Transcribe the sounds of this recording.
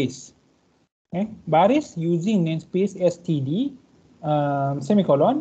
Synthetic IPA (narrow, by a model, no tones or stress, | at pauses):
es | ẽbaɾisjuːd͡ʒĩŋnẽnspeːsesʈʰiɖi | semikɔlɔn